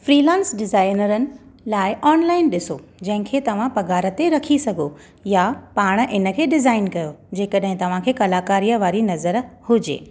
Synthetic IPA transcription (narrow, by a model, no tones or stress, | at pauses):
fɾiːlãːnsɖɪzaːɪnəɾənɪ̆ | laːɪʔɔːnlaːɪnɗɪsod͡ʑɐ̃ɦɪ̃kʰeːt̪ɐʋ̤ãpɐɡaːɾət̪eɾɐkʰisɐɡʱo | japaːɽ̃̆ʔɪnə̆kʰeːɖɪzaːɪnkɐjod͡ʑeːkəɗɦɪ̃t̪ɐʋ̤ãkʰeːkɐlaːkaːɾijəʋaːɾinɐzəɾhʊd͡ʑḛː